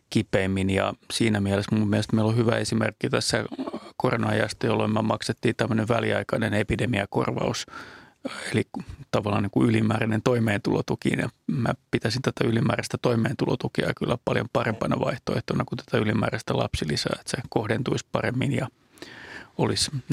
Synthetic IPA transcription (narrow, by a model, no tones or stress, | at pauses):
kipeimːinjɑ̰siːnæmiælesmumːiælst̪meilohyʋæesimerkːit̪æsːækoronɑjɑst̪ɑjolːoimmæmɑkset̪ːiːnt̪æmːøneʋʋæliɑikɑnenepidemiɑko̰rʋɑ̰us | elit̪ɑʋɑlːɑːniːŋkuylimæːrænent̪oimeːnt̪ulot̪ukḭnjɑ̰mæpit̪æsint̪æt̪æylimæːræst̪æt̪oimeːnt̪ulot̪ukeɑjɑkylːæpɑljompɑrempɑnɑʋɑiht̪oeht̪onɑkut̪æ̥t̪æylimæ̰ːræst̪ælɑ̰psilisæ̰ːet̪sekohdent̪uispɑremːinjɑ | olis